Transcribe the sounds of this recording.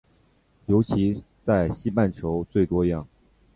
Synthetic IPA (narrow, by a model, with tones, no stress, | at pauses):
jo˧˥ʊt͡ɕʰi˧˥ | t͡sa˥˩ɪɕi˥pa˥˩nt͡ɕʰjo˧˥ʊt͡swe˥˩ɪt̪wɔ˥jɑ˥˩ŋ